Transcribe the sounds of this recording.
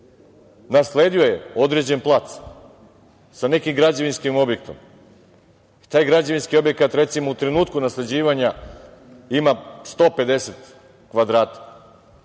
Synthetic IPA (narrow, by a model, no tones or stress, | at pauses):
nasle̞ːd̪io̞jeo̞d̪ɾe̞d͡ʑe̞nplˠat̪s | sane̞kimɡɾad͡ʑaʋinskimo̞bje̞k̚t̪o̞̰m | t̪aːjɡɾad͡ʑaʋinskio̞bje̞kat̪ɾe̞t̪simout̪ɾe̞nuːt̪kunasle̞d͡ʑiːʋaɲa | imast̪o̞ːpe̞d̪e̞set̪ | kʋad̪ɾaːt̪ḁ